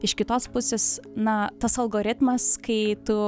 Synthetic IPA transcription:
ɪʃkʲɪt̪oːspʊsʲeːsnɐt̪ɐsɐlˠɡoːɾʲɪt̪mɐskɐɪt̪ʊ

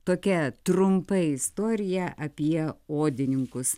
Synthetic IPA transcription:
t̪oːkʲɛt̪ɾʊmpɐɪɪst̪oːɾʲɪjɛʔɐpʲiɛoːd̪ʲɪnʲɪŋkʊs

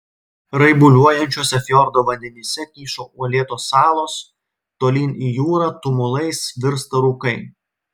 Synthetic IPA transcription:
ɾɐɪbʊlʲuɔjɛnʲt͡ʃʲoːsʲɛfʲjɔɾd̪oːʋɐnʲd̪ʲɛnʲisʲɛkʲiːʃoːuɔlʲeːt̪oːsːɑːlˠoːs | t̪oːlʲiːniːjuːɾɑːt̪ʊmʊlˠɐɪsʋʲɪɾst̪ɐɾuːkɐɪ

